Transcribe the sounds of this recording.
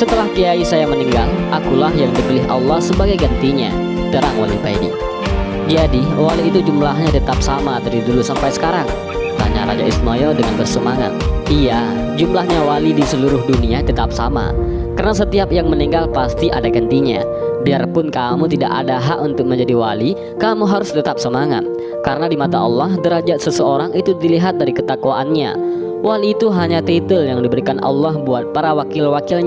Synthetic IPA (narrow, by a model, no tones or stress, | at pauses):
sət̪əlahkəjaisajaməniŋɡalʔakulahjaŋdibilɪɦa̰lːɑhsəbaɡajɡənt̪iɲa̰ | təɾaŋwa̰libajdḭ | d͡ʒadiwaliːt̪ud͡ʒumlaɦɲat̪ət̪ap̚samad̪adidulusampajsə̥kaɾaŋ | t̪a̰ɲa̰ɾa̰d͡ʒaʔisnojɔdəŋanbərsəmaŋa̰t̪̚ija | d͡ʒumlahɲawalidisəluɾʊɦduniat̪ət̪ap̚sama̰ | karənas̬ət̪iapjaŋməniŋɡalpast̪iʔa̰daɡənt̪iɲa̰ | biarpʊnkamut̪ida̰ʔa̰daɦaʔunt̪ʊk̚məɲd͡ʒadiwali | kamuɦaɾʊst̪ət̪ap̚səmaŋa̰t̪̚ | kaɾənadimat̪aɑ̰lːɑɦdəɾad͡ʒasəsəoɾaŋit̪ud̪iliɦat̪̚daɾikət̪akuaʔanɲa̰ | waliːt̪uɦaɲat̪et̪əljaŋdibəɾikanʔɑ̰lːɑhbuat̪̚paɾawakɪlwakɪlɲ